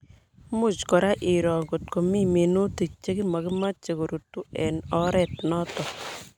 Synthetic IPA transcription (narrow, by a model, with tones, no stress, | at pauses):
mu˦t͡ʃkɔ˨ɾa˦ʔi˨ɾɔ˨ŋɡo˨t̚ko˨mi˦me˨no˦ti˨k̚t͡ʃe˦kɪ˦ma˨kɪ˦ma˦t͡ʃe˨ko˨ɾutu˦ɛ˨nɔ˦ɾɛ˦˨t̚nɔ˦tɔ˨